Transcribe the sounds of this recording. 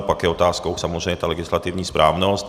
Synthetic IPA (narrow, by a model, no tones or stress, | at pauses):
pɔakɛjɔt̪aːskɔuxsamɔɛɛt̪aːlɛɡislat̪iːʊɲiːspɾʔaːʊnɔsc